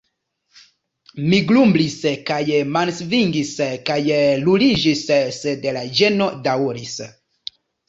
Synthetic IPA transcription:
miɡlumbliskajmansviŋɡiskajlulid͡ʒissedelad͡ʒe̞no̞dawɾis

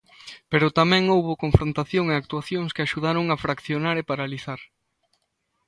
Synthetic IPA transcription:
peɾʊt̪amɛ̃ŋowβokõɱfɾõnt̪aθjoŋeak̚t̪uaθjõŋskɪaʃuð̞aɾoŋafɾakθjonaɾepaɾaliθaɾ

